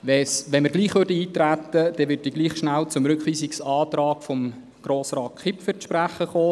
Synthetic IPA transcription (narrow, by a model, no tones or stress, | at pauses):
ʋɛsʋɛnməɾɡliːχʋøɾdəiːt̪ræt̪ːəd̥ɛʋɪt̚diɡ̥liːχʃnælt͡sʊmɾʏkχʋiːsɪksɑːt̪ɾɑːkfɔm | ɡ̥ɾoːsrɑːt̚kʰɪpfʏtʃpɾæχəχoː